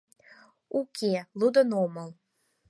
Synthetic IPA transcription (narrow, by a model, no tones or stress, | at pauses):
ukʲelˠud̪ənoməlˠ